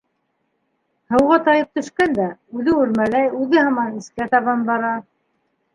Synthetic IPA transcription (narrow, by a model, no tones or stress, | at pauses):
hɤ̆wʁɑt̪ɑjɤp̚t̪ɵ̆ʃkænd̪æʉðɘʉɾmælæjʉðɘhɑmɑnɘ̆skæt̪ɑβɑnbɑɾɑ